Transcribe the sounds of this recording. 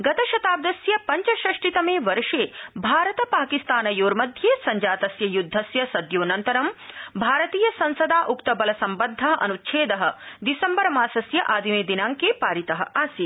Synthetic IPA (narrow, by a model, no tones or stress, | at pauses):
ɡɐt̪ɐʃɐt̪aːb̚d̪ɐsjɐpɐɲt͡ʃɐʃɾɐʂʈit̪ɐmeːʋɐɾʂeːbʱaːɾɐt̪ɐpaːkist̪aːnɐjoːɾmɐd̪ʱjeːsɐɲd͡ʒaːt̪ɐsjɐjud̪ʱːɐsjɐsɐd̪joːnɐnt̪ɐɾɐmbʱaːɾɐt̪iːjɐsɐ̃nsɐd̪aːʔukt̪ɐbɐlɐsɐmbɐnd̪ʱːɐɦɐʔɐ̰nut̪ːʃʰeːd̪ɐɦɐ̆d̪isɐmbɐɾɐmaːsɐsjɐʔaːd̪ʱimeːd̪inaːŋkeːpaːɾit̪ɐɦɐ̰̆ʔaːsi